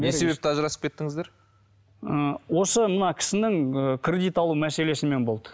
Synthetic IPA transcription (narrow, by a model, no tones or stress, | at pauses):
ese̞be̞p̚t̪ɪɑʒəɾɑsəp̚kʲe̞t̪ːɪŋɪzd̪eɾ | əwo̞səmənɑkʲʰɪ̥sɪnɪŋəkʲʰrʲe̞d̪ijt̪ɑlˠumæse̞le̞sɪnme̞nbo̞lˠd̪ə̥